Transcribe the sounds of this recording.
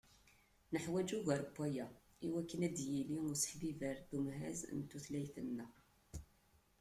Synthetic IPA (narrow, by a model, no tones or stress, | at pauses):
nəħwæd͡ʒuɣəɾbʷːæjæ | iwækːənæd̪jiliʊɾsə̥ħbivæɾðumɦæ̰z̰nt̪ːuθlæjθənːæ